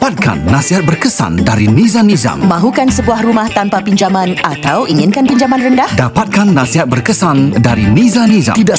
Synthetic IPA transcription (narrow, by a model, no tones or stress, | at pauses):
pat̪̚ka̰nːãsiɦat̪̚bərkəsa̰ndaɾinĩzanĩza̰ŋmãɦukansəbuahrumaht̪ampapiɲd͡ʒamãnat̪awʔiŋɪnkanpiɲd͡ʒamanrəndahdapat̪̚kanːasiɦat̪̚bərkəsandaɾinizanĩza̰t̪ida